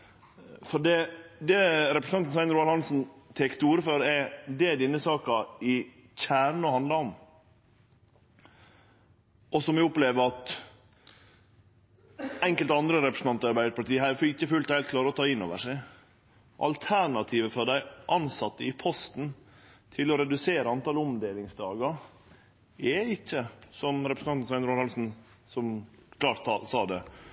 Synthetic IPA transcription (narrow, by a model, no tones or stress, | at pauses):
fɔɖɛd̪ɛɾɛpɾəsn̩ɑnn̩sæɪnɾuːɑɾhɑnsn̩t̪ʰɛkt̪uːɾəføːɾɛd̪ɛd̪ɪnːəsɑːkɑɪ | çæːɾɳ̩ɔhɑnd̪lɑɔm | ʔɔsɔmʋɪʊpleːʋəɾɑt̪ | ɛŋkəlt̪ɑnd̪ɾəɾɛpɾəsn̩ɑnt̪ɑɾbæɪəɾpɑlʈ̪iːəɦæfɪçːəfʉlt̪hæɪlt̪kʰlɑːɾəɔt̪ʰɑːɪnːo̰ːʋəʂæɪ | ʔɑ̰lt̪ʰæɾɳɑt̪ʰiːʋəfɾɑd̪æɪʔɑnsɑt̪ːəɪpʰɔst̪n | t̪ʰɪlɔɾɛd̪ʉseːɾəɑnt̪ɑːlɔmd̪eːlɪŋsd̪ɑːɡɑ | ɛɪçːəsɔmɾɛpɾəsn̩ɑnnsæɪnɾuːnhɑlsn̩ | sɔmkʰlɑːʈːsɑːd̪ɛ